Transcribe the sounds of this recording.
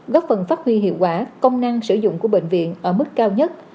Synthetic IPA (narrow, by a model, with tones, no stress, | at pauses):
ɣɔ˦˥p̚fə˨˩nfaː˦˥t̚hwi˧ɦḭ˧˨əwkwaː˧˦kə˧wŋ͡mna˧ŋsɨ˧˩zʊ̰˧˨ŋ͡mku˧˩əɓḛ˧˨ŋ̟vḭ˧˨ənʔəː˧˩mɨ˦˥kːaː˧wɲə˦˥t̚